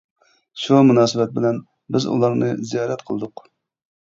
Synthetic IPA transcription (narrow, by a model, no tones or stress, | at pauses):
ʃumunɑːsɨbɛt̪̚bɪlɛn | bɪzṵlˠɑɾnɨ̰zijɑːɾɛt̪qʰəlˠɨd̪ʊq